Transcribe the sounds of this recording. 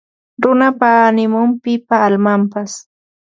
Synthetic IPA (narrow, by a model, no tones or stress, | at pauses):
ɾʊnapaːnɪmʊmpɪpaːlmampas